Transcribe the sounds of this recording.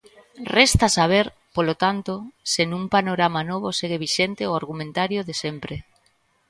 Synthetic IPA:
rest̪asaβ̞eɾ | polot̪ant̪osenũŋpanoɾamanoβ̞oseɣ̞eβ̞iʃent̪eoaɾɣumẽnt̪aɾjoðesempɾe

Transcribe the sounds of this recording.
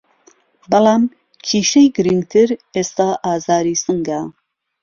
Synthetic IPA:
bɐlaːm | kʰiːʃejɡɨɾiŋɡ̚t̪ʰɨɾeːst̪aːʔaːzaːɾiːsɨŋɡa

